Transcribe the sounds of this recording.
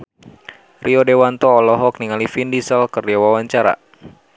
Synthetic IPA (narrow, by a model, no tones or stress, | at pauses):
riɔdewant̪ɔːlɔɦɔk̚niŋalifindisəlkərd͡ʒawawaɲt͡ʃaɾa̰